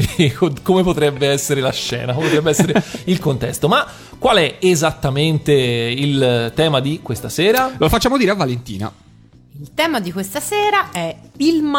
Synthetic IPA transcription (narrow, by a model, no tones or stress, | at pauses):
kokomepot̪ɾɛbːeɛsːeɾelaʃːɛ̰ːnakomepot̪ɾɛbːeɛsːeɾeilkont̪ɛ̰st̪oma | kːwalɛezat̪ːament̪eilt̪ɛːmad̪ikwest̪asɛːɾalofat͡ʃːaːmod̪iːɾeavːalent̪ḭːna̰ | ilt̪ɛːmad̪ikwest̪asɛːɾaʔɛilma